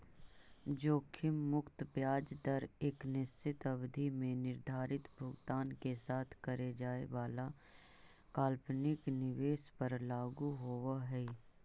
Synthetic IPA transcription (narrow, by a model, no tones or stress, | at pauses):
d͡ʒoːkʰɪmːʊkt̪pjaːd͡ʒd̪əɾeːknɪst͡ʃɪt̪ɐbd̪ʱimẽnɪɾd̪ʱaːɾɪt̪bʱʊɡt̪aːnkesaːt̪ʰkəɾed͡ʒaːeʋaːla | kaːlpnɪknɪʋeːʃpəɾlaːɡuɦoʋaɦɛː